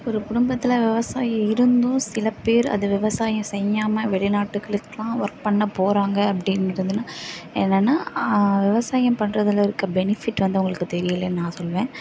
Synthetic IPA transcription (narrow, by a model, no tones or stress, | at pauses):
ɔɾɯkʊɽʊmbɐt̪ːɪlɐʋɪʋɐsaːjiɪɾɯnd̪ũsɪlɐpːeːɾɐ̰ðɯʋɪʋɐsaːjɐ̃sɛjːaːmɐʋɛɭɪnaːʈːɯkːɐɭɯkːɐlãːʋɐɾk̚pɐɳːɐpoːɾaːŋɡɐːpːɐɽɪnɡɪɾɐðɯnːaːɛnːɛnːaːʋɪʋɐsaːjɐmpɐɳrɐðɐlɐɾɯkːɐbɛnɪfɪʈːʋɐnd̪ɯʊŋɡɐɭɯkːɯt̪ɛɾɪjɐlɐnãːsɔlʋẽː